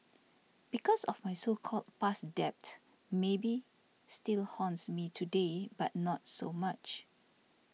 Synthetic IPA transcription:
b̥ikɔsɔfmajsolkʰɔlt̚pasdɛp̚t | mebi | stilhɔ̃ntsmitʰudebat̚nɔt̚somat͡ʃ

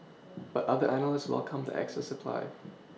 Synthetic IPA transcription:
b̥atʌðəʔænəl̩ˠɪswɛ̰lˠkʰə̃mdə̰ʔæ̰ksɛsəpʰl̥a̰ɪ

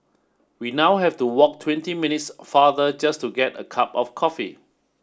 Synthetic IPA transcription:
winawɦɛftuwɔk̚tʰwɛ̃ntiminitsfaðəd͡ʒastuɡɛtə̰kʰapɔfkʰɔfḭ

